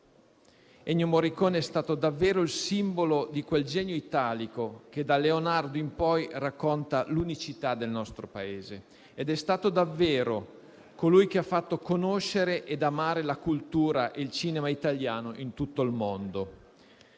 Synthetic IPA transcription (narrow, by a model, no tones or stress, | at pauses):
ɛɲːomoɾikoːnɛst̪aːt̪od̪avːeːɾoilsimbolod̪ikweld͡ʒɛɲoit̪aːlikok̟ed̪aleonard̪oimpɔjrakːont̪alunit͡ʃit̪ad̪ːelnɔst̪ɾopaeːze | ed̪ɛst̪aːt̪od̪avːeːɾo | kolujk̟eafːat̪ːokonoʃeɾeʔed̪amaːɾelakult̪uːɾaʔeilt͡ʃiːnemait̪aljaːnoʔint̪ut̪ːoilmond̪o